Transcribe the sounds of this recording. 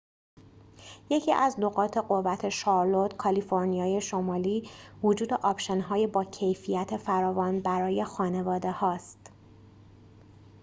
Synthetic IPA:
je̞cʰḭːʔæznoɣɒːt̪ʰe̞ɢo̞vːæt̪ʰe̞ʃɒːɾlo̞t̪kʰɒliːfo̞ɾnijɒːje̞ʃo̞mɒːliːvod͡ʒuːd̪eʔɒːbʃenɦɒːjebɒːcʰe̞jfijæt̪ʰe̞fæɾɒːvɒːnbæɾɒːje̞xɒːne̞vɒːd̪e̞hɒːst̪

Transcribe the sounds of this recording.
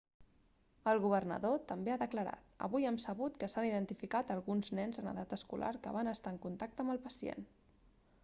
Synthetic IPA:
əlˠɣuβ̞ərnə̰ðot̪əmbeaðəkləɾa̰t̪ə̰βujɛmsəβut̪kəsaniðənt̪ifikat̪əlˠɣunznɛnzənə̰ðat̪əskulʔa̰ɾkə̰βanəst̪aːəŋkunt̪ak̚t̪əmbəlˠpəsiḛn

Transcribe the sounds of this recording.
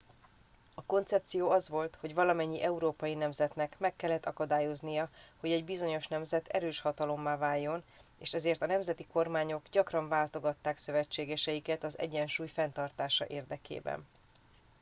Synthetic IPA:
ɒko̞nt̪sɛp̚t̪sijoːɒzʋo̞lt̪ho̞ɟvɒlɒmɛɲːiʔɛuɾoːpɒjinɛmzɛt̪nɛkmɛkːɛlːɛt̪ːɒkɒd̪aːjo̞znijɒ | ho̞ɟɛɟbizo̞ɲo̞ʃnɛmzɛt̪ʰɛ̰ɾøːʃhɒt̪ɒlo̞mːaːvaːjːo̞n | eːʃɛzeːrt̪ɒnɛmzɛt̪iko̞rmaːɲo̞ɡɟɒkrɒɱvaːlt̪o̞ɡɒt̪ːaːksø̞vɛt͡ʃːeːɡɛʃɛjikɛt̪ɒzɛ̰ɟɛnʃuːjfɛnt̪ɒrt̪aːʃɒ̰ʔeːrd̪ɛkḛːbɛ̰n

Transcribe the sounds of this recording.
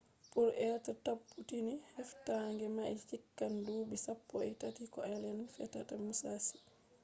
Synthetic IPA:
puɾɛtatapːutinihɛftaŋɡɛmajt͡ʃikːanduːbisapːɔɛtatikɔɛlɛnfɛtːatamusasi̥

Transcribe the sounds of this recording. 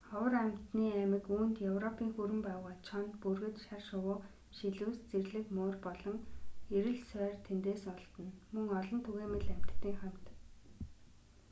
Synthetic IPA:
χɔwə̆ræmʲt̪niːæmɘ̆kuːnt̪jɵwrɔpʰiːŋxuɾɘ̆mpæːwʁaːt͡ɕʰɔnt̪purɣɘ̆t̪ʃarʃʊwʊː | ʃiɮuːst͡serɮɘ̆kmoːrpɔɮɞ̆ŋeɾɘ̆ɮsœːrt̪ʰent̪eːsɔɮt̪ɞ̆nmɵŋɔɮɞ̆nt̪ʰuɣeːmɘ̆ɮæm̥ʲt̪ʰt̪ːiːŋχam̥t̪

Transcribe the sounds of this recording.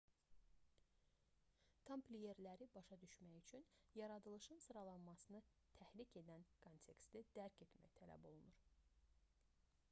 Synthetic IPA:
t̪ʰɑmplʲije̞ɾlæɾibɑʃɑd̪yʃmæjyt͡ʃʰynjɑɾɑd̪ɯlˠɯʃɯnsɯɾɑlˠɑnmɑsɯnɯ | t̪ʰæhlicʰe̞d̪ænkʰo̞nt̪ʰe̞kst̪id̪̥æɾcʰe̞t̪mæ̰jit̪ʰælæ̰bo̞lˠunuɾ

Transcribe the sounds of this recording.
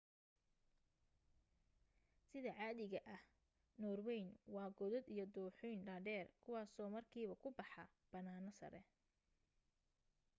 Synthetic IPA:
sɪðɐʕɑːðɪɣɐʔɐh | nɔːrwɛjnwɑːɡɔðɔd̪ijɔd̪uːħʊjnɖaːɖɛːrkʰʊwɑːsɔːmɐrkʰiːβɐkʰʊbɑħɑ | b̥ɐnaːnɐsɐ̰ɾɛ̰

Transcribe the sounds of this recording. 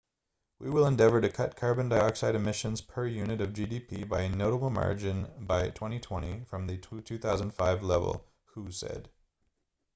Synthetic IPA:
wʔiwɪlˠə̃ndɛvə˞ɾɨkʰʌt̚kʰɑɹbɨ̃ndaɪɑksaɪɾɨmɪʃɨ̃nz̥pʰə˞jʉnɨɾʌvd͡ʒidipʰibaɪɨnoʊɾəbl̩ˠmɑ̰ɹd͡ʒɨ̃nbaɪtʰw̥ɛ̃ɾ̃itʰw̥ɛ̃ɾ̃ifɹʌ̃mðɨtʰʉθaʊzə̃n̩d̥faɪvlɛ̰vl̩ˠ | husɛ̰d̥

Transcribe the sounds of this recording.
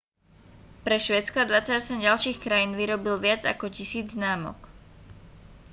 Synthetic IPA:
pɾɛʃʋɛːt͡skɔad̪ʋat͡saɟɔsɛmɟalʃiːxkɾajiːnʋiɾɔbilʋɪad͡za̰kɔcisiːd͡zznaːmɔ̰k

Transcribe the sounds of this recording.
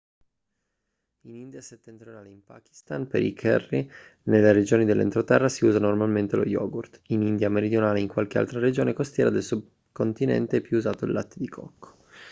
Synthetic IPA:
inind̪jaset̪ːent̪ɾjonaːleimpa̰ːk̟i̥st̪anpḛɾḭkʰɛ̰rːi | nelːeɾed͡ʒoːnid̪elːḛnt̪ɾot̪ɛrːasiuːzanormalment̪elo̰jɔ̰ːɡurt̪inind̪jameɾid̪jonaːleiŋkwalk̟ea̰lt̪ɾaɾed͡ʒoːnekost̪jɛːɾad̪elsub̚ | kont̪inɛ̰nt̪eɛpːjuuzaːt̪oḭlːat̪ːed̪ikʰɔ̰kʰːo̥

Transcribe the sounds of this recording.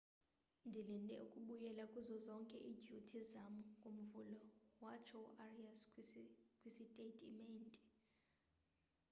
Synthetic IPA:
ndʱilɛnɛ̰ṵkʼuɓujɛlakʼuzɔzɔŋkʼɛʔid͡ʒʱutʰizamuɡʱʼum̩vulɔwat͡ʃʰɔuʔarias | kʼwisitʼetʼimɛntʼi̥

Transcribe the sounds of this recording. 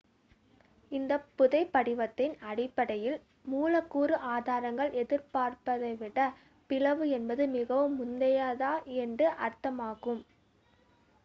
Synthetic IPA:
ɪnd̪ɐpːʊðɐɪpːɐɽɪʋɐt̪ːɪnɐɽɪpːɐɽɐjɪl | muːlɐkːuːɾɯʔaːðaːɾɐŋɡɐɭʔɛðɪɾpaːɾpɐðɐɪʋɪɽɐ | pɪlɐʋɯɛnbɐðɯmɪɣɐʋɯmːʊnd̪ɐjaːðaːɛndrɯʔɐɾt̪ɐmaːɣɯm

